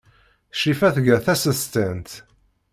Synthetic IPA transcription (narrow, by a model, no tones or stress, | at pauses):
ʃifæθʝəɾθæsəst̪ænt̪